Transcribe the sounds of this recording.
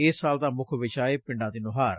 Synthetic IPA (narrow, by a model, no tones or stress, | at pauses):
ɪːsːaːld̪aːmʊkʰʋɪt͡ʃaːeːpɪ̃ɳɖãːd̪iːnʊɦaːɾ